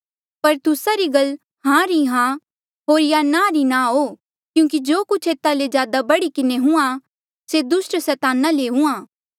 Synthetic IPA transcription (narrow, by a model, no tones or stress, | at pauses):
pɐɾt̪ʊsaɾiɡɐl | ɦãɾiɦã | ɦoːɾjanãɾinãɦoː | kjũːk̬id͡ʒoːkʊt͡ʃʰeːt̪alezjaːd̪abɐɽikɪneɦʊ̃ã | sed̪ʊsʈsɛːt̪aːnaleɦʊ̃ãː